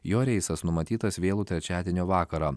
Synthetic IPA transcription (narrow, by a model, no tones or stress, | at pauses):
joːɾʲɛɪsɐsnʊmɐt̪ʲiːt̪ɐsʋʲeːlˠuːt̪ʲɾʲɛt͡ʃʲæːd̪ʲeːnʲoːʋɑːkɐɾɑː